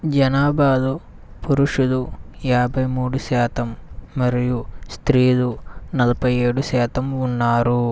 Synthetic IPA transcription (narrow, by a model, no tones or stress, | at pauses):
d͡ʒɐnaːbaːd̪u | puɾuʂud̪ujaːbʱɐjmuːɽuʃɛːt̪ʰɐmːɐɾijust̪ɾiːd̪unɐlɐpɐjeːɽusɛːt̪ʰɐmunːaːɾu